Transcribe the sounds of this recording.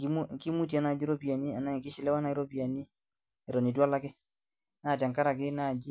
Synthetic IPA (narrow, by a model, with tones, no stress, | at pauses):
ki˦mu˦ki˦mu˦t̬i˨a˨na˨d͡ʒi˦ɾɔ˦pi˨a˨ni˦a˨na˦˨ŋkɪ˦ʃɪ˨lɛ˦wa˦na˨ɪ˦ɾɔ˦pi˨a˨ni˦ | ɛ˨ɾɔ˨ni˨twa˦la˦kɪ˦ | na˦˨ta˨ŋka˦ɾa˨kɪ˦na˦˨d͡ʒi˦